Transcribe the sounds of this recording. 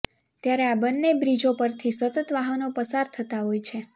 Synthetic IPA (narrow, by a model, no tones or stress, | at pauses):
t̪jaɾeabənːebɾid͡ʒopəɾt̪ʰisət̪ət̪ʋaɦənopəsaɾt̪ʰət̪aɦojt͡ʃʰe